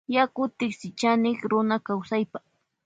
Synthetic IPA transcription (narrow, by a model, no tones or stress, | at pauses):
jakʊt̪ɪksɪt͡ʃanɪkɾʊnakawsajpa